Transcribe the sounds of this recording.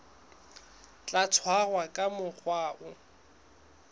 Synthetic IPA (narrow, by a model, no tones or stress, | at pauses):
t͡ɬʼat͡sʰwaɣwakʼamʊk͡xʰwaːʔʊ